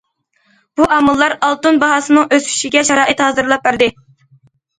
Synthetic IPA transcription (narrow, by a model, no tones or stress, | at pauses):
b̥uʔɑmɑlˠːɑɾɑlˠt̪unbɑɦɑsɨnɨŋʔøsy̥ʃiɡʲɛʃɑɾɑːʔit̪hɑːzɨɾlˠɑp̚bæɾd̪ɪ